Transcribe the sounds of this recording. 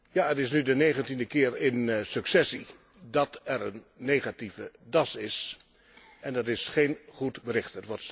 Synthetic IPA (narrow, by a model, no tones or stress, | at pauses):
jaːətɪsnydənejɣəntindəkɪːɹɪnsɵksɛsi | dɑtɛɹənːejχativədɑsɪs | ɛndɑtɪsχejnχutbəɾɪχtətʋɔts